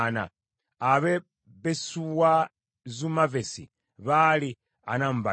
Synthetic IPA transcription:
na̰ː | βe | besuwa | zumavesḭ | βali | a̰namba

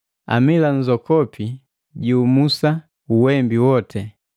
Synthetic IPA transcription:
a̰miland͡ʒɔkɔpʰi | ɟuːmusa | uwɛmbiwɔtʰɛ

